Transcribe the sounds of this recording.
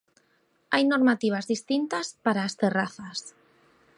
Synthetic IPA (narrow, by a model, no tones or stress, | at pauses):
ajnoɾmat̪iβ̞azðist̪int̪aspaɾaːst̪eraθas